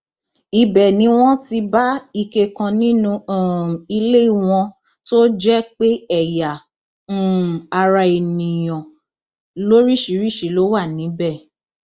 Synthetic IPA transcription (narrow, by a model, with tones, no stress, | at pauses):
i˧bɛ˨nĩ˨˦w̃ɔ̃˦ti˧ba˦i˧ke˧kã˧nĩ˦nũ˧˦˨i˧le˦i˦˨w̃ɔ̃˧ | to˦d͡ʒɛ˦k͡pe˦ɛ˦˨ja˨˦˨ | a˧ɾa˧e˨nĩ˨j̃ɔ̃˨ | lo˦ɾi˦˨ʃi˨˦ɾi˦˨ʃi˨˦lo˨˦wa˦˨nĩ˨˦bɛ˦˨